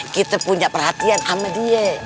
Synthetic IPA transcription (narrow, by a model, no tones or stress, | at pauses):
kit̪apuɲaʔpərɦat̪iansamadiɛ